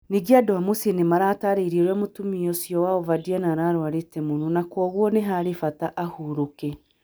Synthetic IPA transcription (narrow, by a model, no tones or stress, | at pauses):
niɡiadoamusenemaɾataɾeiɾieɾwɛmotumiɔsjɔwaovadianaːɾaːɾwaɾetɛmononakwɔɣwɔneɦaɾefataʔahuɾokɛ